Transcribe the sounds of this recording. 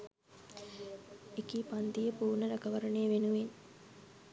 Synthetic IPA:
ekipand̪ijəpuːnəɾəɡəʋəɾənejəʋenuʋen

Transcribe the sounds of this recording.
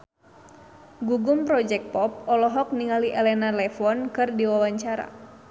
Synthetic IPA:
ɡuɡumpɾɔd͡ʒɛk̚pɔp̚ɔlɔɦɔk̚niŋaliʔɛlɛnalɛfɔnkɨrdiwawaɲt͡ʃaɾa̰

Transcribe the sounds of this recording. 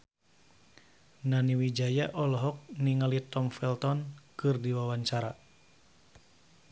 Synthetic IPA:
naniwid͡ʒajaʔɔlɔɦɔk̚niŋalit̪ɔmfɛlt̪ɔnkɨrdiwawaɲt͡ʃaɾa

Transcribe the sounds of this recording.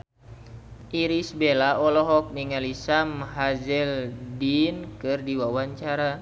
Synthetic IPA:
ʔiɾisbelaʔɔlɔɦɔk̚niŋalisamɦad͡ʒɛldinkɨrdiwawaɲt͡ʃaɾa

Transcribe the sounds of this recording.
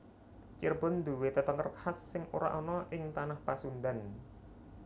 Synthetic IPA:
t͡ʃirbʊnd̪ṳwet̪ət̪ɔŋərkhasːɪŋuɾa̰ʔɔnɔʔɪŋt̪anahpasund̪an

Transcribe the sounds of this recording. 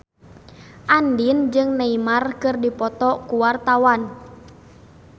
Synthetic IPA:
ʔandind͡ʒɨŋnaimarkɨrdipɔt̪ɔkuwart̪awan

